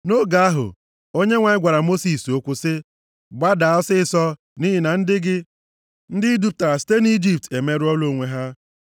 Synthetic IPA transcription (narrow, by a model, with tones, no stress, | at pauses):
no˦ɡa˨a˦ɦʊ̰˨ | o˦ɲe˦ŋʷa˨ɪ˦ɡʷa˨ɾa˨mo˦si˨so˦kʷʊ˦sɪ˦ | ɡ͡ba˦da˨ɔ˦sɪ˦˨sɔ˦ | ni˦ɦɪ˨na˨n̩˦dɪ˦ɡɪ˦ | n̩˦dɪ˦du˦p̚ta˨a˨si̥˦te˦n˦i˦d͡ʒi˨p̚te˨me˦ɾɪ˦ɔ˦lo˦˨ŋʷe˨ɦa˦